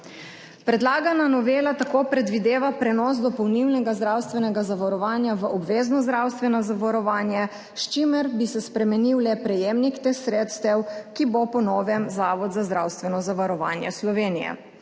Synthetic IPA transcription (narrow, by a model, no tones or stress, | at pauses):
pɾɛd̪laːɡananɔʋeːlat̪akoːpɾɛd̪ʋid̪eːʋapɾɛnɔsd̪ɔpɔwniwnɛɡazd̪ɾawst̪ʋɛnɛɡazaʋaɾɔʋaːnjaʋəʔɔbʋeːznɔzd̪ɾawst̪ʋɛnazaʋaɾɔʋaːnjɛ | ʃt͡ʃimɛɾbisɛspɾɛmɛniwlɛpɾɛjeːmnikt̪exsɾeːt̪st̪ɛwkibopɔnɔːʋɛmzaːʋɔd̪zazd̪ɾawst̪ʋɛnɔzaʋaɾɔʋa̰ːnjɛ̰slɔʋeːnijɛ̰